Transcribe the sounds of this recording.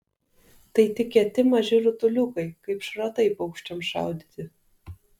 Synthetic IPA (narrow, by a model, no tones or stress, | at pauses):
t̪ɐɪt̪ʲɪkʲɛt̪ʲɪmɐʒʲɪɾʊt̪ʊlʲʊkɐɪkɐɪpʃɾɐt̪ɐɪpɐʊkʃʲt͡ʃʲɛmʃɑ̰ˑʊd̪ʲit̪ʲɪ